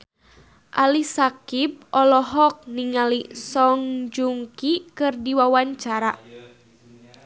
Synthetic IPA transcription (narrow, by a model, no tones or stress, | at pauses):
ʔalisakip̚ɔlɔɦɔk̚niŋalisɔŋd͡ʒuŋkikɨrdiwawaɲt͡ʃaɾa